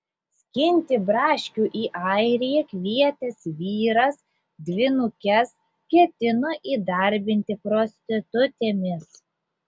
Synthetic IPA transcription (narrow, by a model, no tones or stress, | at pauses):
sʲkʲɪnʲt̪ʲɪbɾɑːʃʲkʲuʔiːʔɐɪɾʲijɛkʲʋʲiɛt̪ʲɛsʋʲiːɾɐs | d̪ʲʋʲɪnʊkʲɛs | kʲiɛt̪ʲɪnoːʔiːd̪ɐɾʲbʲɪnʲt̪ʲɪpɾoːsʲt̪ʲɪt̪ʊt̪ʲeːmʲɪs